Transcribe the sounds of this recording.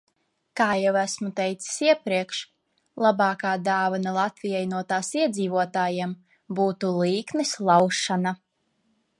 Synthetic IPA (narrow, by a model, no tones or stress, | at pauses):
kaːjɛwæsmut̪ɛjt̪si̥siɛpɾiɛkʃ | lˠabɑːkaːd̪aːvanalˠat̪vijajnuɔt̪aːsiɛd̪ziːvuɔt̪aːjem | buːt̪ulˠiːknislˠawʃana